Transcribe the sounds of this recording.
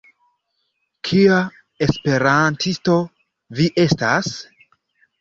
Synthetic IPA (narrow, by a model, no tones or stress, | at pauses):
kʰia | espe̞ɾantʰisto̞ | viʔe̞stas